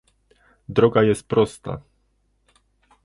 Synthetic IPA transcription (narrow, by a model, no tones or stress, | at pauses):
d̪ɾɔɡajɛst̪̚pɾɔst̪a̰